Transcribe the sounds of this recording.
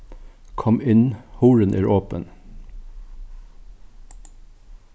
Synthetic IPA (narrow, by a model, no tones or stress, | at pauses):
kʰɔmɪnhuːɹənʔæ̰ːɹʔoːpən